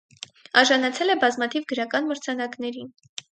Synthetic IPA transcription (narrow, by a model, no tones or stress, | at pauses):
ɑɾʒɑnɑt͡sʰɛlɛbɑzmɑt̪ʰivɡəɾɑkɑnməɾt͡sʰɑnɑknɛɾin